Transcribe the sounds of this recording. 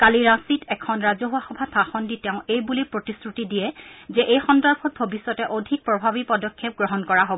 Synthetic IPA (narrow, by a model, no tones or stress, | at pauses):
kaliɹasitɛkʰɔnɹazɔɦuaxɔbʱapʰaxɔnditɛʊ̃ejbulipɹotisɹutidiɛzɛʔejxɔndɔɹpʰɔt̚bʱobisːɔtɛʔodʱik̚pɹɔbʱabipɔdɔkʰːep̚ɡɹɔɦɔnkɔɹaɦobɔɔ